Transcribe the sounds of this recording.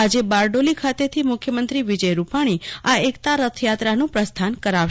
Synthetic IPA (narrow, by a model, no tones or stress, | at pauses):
ad͡ʒebaɾɖolikʰat̪et̪ʰimʊkʰjəmənt̪ɾiʋid͡ʒəjɾupaɽ̃iaekt̪aɾət̪ʰjat̪ɾanũpɾəst̪ʰankəɾaʋʃ